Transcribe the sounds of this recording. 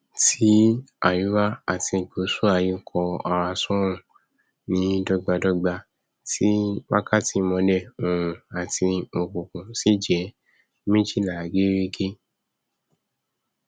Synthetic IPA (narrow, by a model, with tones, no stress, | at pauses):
tʰi˨˦a̰˨ju˨˦ɾa˦a̰˨ti˧˨ɡ͡bo˨˦su˦a˦˧˨ji˦kʰɔ˧a˧wa˧sɔ̃˦ɾ̃ũ˦˨ | nĩ˨˦dɔ˧ɡ͡ba˧dɔ˧ɡ͡ba˧ | tʰi˦wa˦ka˦ti˧˦mɔ̃˧dɛ˦˨ũ˨ɾũ˨a˨ti˧mo˧˨kõ˨kũ˨si˨˦d͡ʒɛ˨˦ | mĩ˦d͡ʒi˦˨la˨ɡe˦ɾe˦ɡe˦